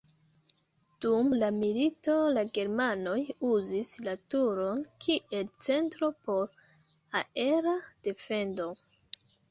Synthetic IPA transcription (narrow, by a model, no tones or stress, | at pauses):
d̥umlamilito̞laɡe̞ɾmano̞juzislatuɾo̞nkʰiʔe̞lt͡se̞ntɾo̞po̞ɾ | ae̞ɾad̥e̞fe̞ndo̞